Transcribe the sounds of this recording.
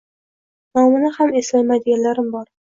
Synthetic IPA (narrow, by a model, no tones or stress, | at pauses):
nɒmɪnɪhame̞slajmajd̪ɪɡʲanlaɾɪmbɒɾ